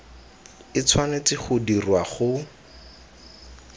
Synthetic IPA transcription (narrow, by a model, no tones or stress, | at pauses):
ɪt͡sʰwanet͡sɪχʊdirwaχʊ